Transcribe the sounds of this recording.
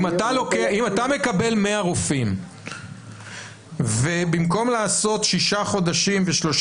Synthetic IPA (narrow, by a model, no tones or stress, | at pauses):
mat̪alokeaimat̪ame̞kabe̞lme̞aʁofim | vebimko̞mlaːso̞tʃiʃaχo̞d̪aʃimveʃlo̞ʃ